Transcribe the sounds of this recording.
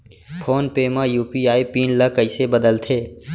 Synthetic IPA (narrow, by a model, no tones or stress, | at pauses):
pʰoːnpeːmãːjuːpiːaːipiːnləkəɪseːbəd̪əlt̪ʰeː